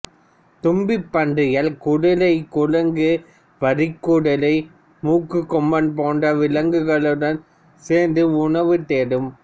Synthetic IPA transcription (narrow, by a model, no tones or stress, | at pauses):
t̪ʊmbɪpːɐɳɖrɪjɐlkʊɽɐlɐɪkʊɻɐŋɡɯ | ʋɐɾɪkːuɽɐlɐɪ | muːkːɯkːɔmːɐnpoːɳɖɐʋɪlɐŋɡɯɣɐɭɯɽɐn | seːnd̪ɯʊɳɐʋɯt̪eːɽɯm